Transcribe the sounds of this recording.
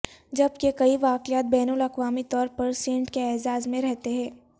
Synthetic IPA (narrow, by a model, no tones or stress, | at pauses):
d͡ʒɐb̚kekɐiʋaːkɪjaːt̪̚bɛːnulɐkʋaːmit̪ɔːɾpɐɾsẽːɳʈkeɛːzaːzmẽɾɛɦt̪eɦɛ̃ː